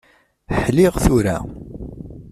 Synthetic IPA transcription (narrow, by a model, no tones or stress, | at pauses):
ħliʁθuɾæ̰